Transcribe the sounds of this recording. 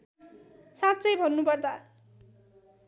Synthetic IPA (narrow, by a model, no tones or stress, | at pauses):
sãt̪t͡sʌjbʱʌnːupʌrd̪a